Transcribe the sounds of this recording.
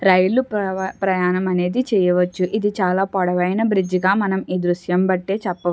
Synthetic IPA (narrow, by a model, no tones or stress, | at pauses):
ɾɐjluppɾɐjaːnɐmɐne̞ːd̪it͡ʃɛːjɐʋɐt͡ʃːuʔid̪it͡ʃaːlaːpɔɽɐʋɐjnɐbɾid͡ʒiɡaːmɐnɐmiːd̪ɾuʃjɐmbɐʈːe̞ːt͡ʃɛpːɐ